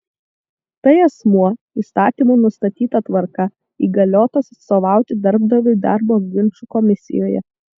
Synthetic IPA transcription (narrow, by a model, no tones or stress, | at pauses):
t̪ɐɪɐsmuɔ | iːst̪ɑːt̪ʲiːmunʊst̪ɐt̪ʲiːt̪ɐt̪ʋɐɾkɐ | iːɡɐlʲoːt̪osɐt̪soːʋɑˑʊt̪ʲɪd̪ɐɾb̚d̪ɐʋʲʊɪd̪ɑɾboːɡʲɪnʲt͡ʃukɔmʲɪsʲɪ̰joːjɛ̰